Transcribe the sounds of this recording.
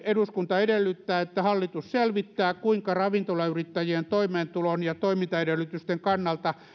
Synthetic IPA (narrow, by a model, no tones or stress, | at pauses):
eduskunt̪ɑedelːyt̪ːæːet̪ːæhɑlːit̪usselʋit̪ːæːkuiŋkɑrɑʋint̪olɑyrit̪ːæjient̪oimeːnt̪ulonjɑt̪oimint̪ɑeɾelːˑyt̪yst̪eŋkɑnːɑlt̪ɑ